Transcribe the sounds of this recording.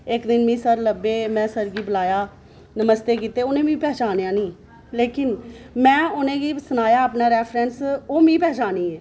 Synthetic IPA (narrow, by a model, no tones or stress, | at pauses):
ɪkd̪ɪnmĩːsəɾləbeːmɛ̃ːsəɾɡiːbəlaːjaː | nəməst̪eːkiːt̪eːʊnẽːmĩːpɛːt͡ʃaːnjãːnĩː | leːkɪnmɛ̃ːʊnẽːɡiːsənaːjaːəːpnaːɾɛːpʰɾɛ̃ːnsoːmĩːpɛːt͡ʃaːniːɛː